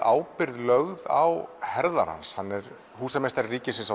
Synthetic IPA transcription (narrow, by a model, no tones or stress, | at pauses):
ʔaːwpɪɾðlœɣða̰whɛɾða̰ɾ̥ha̰nshanːɛɾ | huːsɛmɛst̪ɛɾriːcɪsɪnsa